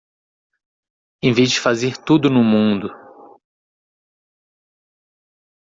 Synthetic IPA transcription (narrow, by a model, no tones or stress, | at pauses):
ẽvezd͡ʒɪfazeɾt̪ud̪ʊnʊmũd̪ʊ